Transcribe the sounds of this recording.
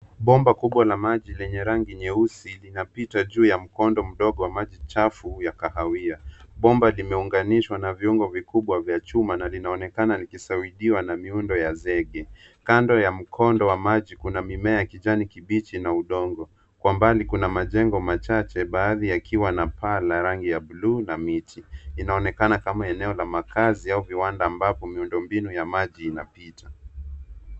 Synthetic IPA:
ɓɔmbakuɓwalamaʄilɛɲɛɾaŋɡiɲɛusilinapitaʄuːjam̩kɔndɔm̩ɗɔɠɔwamaʄit͡ʃafujakahawiaɓɔmbalimɛuŋɡaniʃwanaviuŋɡɔvikuɓwavjat͡ʃumanalinaɔnɛkanalikisawiɗiwanamiundɔjazɛɠɛ | kandɔjam̩kʰɔndɔwamaʄikunamimɛajakiʄanikiɓit͡ʃinauɗɔŋɡɔ | kwambalikunamaʄɛŋɡɔmat͡ʃat͡ʃɛɓaːðijakiwanapalaɾaŋɡijaɓuluːnamitiːnaɔnɛkanakamaɛnɛɔlamakaziauviwandaːmbapɔmiundɔmbinujamaʄiːnapita

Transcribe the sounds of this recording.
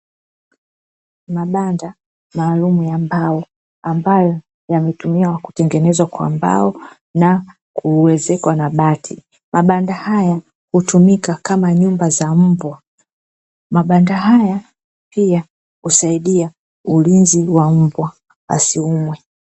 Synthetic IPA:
maɓanda | maːlumujambaɔ | ambajɔ | jamɛtumiawaku̥tɛŋɡɛnɛzwakwa̰mba̰ɔ | na | kuwɛzɛkwanaɓatʰi | mʔaɓandahaja | hutumikakamaɲumbazam̩bwa | maɓandaɦaja | pia | husaiɗia | ulinziwam̩bwa | ɓa̰siumwɛ

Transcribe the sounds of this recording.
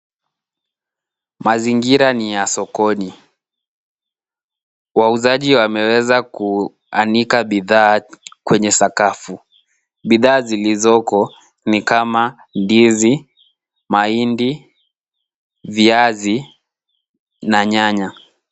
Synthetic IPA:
maziŋɡiɾanijasɔkɔni | wauzaʄiwamɛwɛzaku | anikaɓiðaːkwɛɲɛsakafu | ɓiðaːzilizɔkɔ | nikama | ndizi | maindi | viazi | naɲaɲa

